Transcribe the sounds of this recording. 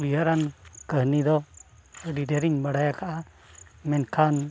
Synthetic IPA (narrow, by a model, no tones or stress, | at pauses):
iɦaɾankəɦnid̪ɔəɖideɾiɲbaɽajakʰaʔa | mɛnkʰan